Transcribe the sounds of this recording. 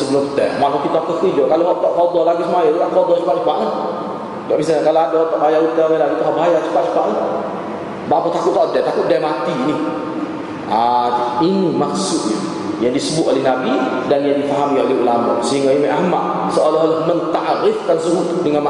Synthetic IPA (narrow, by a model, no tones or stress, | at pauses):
səbəlʊŋət̪ɛmaʔkɔpit̪ɔkəfid͡ʒɔkaloɦɔʔt̪ɔʔkɔd̪ɔlaɡisəmajɔdukaʔkɔdɔt͡ʃu̥kpaʔt͡ʃukaʔlə | dɔʔmĩs̬aɲakaloadɔt̪ɔʔbaɦajaut̪əɡalait̪aʔɦɔʔbaɦajat͡ʃukaʔt͡ʃu̥kaʔlə | baʔpɔt̪akʊtʔ̚t̪ɔʔdɛt̪akʊʔ̚dɛmat̪ini | ainimaʔsʊʔ̪ɲa | jaŋdisəbʊt̪̚olɛhnabidanjaŋdifaɦamiolɛhulamɔ̰səɦiŋɡaimɛʔahmat̪ | səʔolaɦolahmənt̪aʔɾɪfkansəɾu | dəŋanma